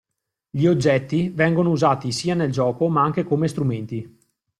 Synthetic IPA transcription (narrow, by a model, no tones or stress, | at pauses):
ʎiod͡ʒːɛt̪ːivɛŋɡonouzaːt̪isiːaneld͡ʒɔːkomaaŋkekomest̪ɾument̪i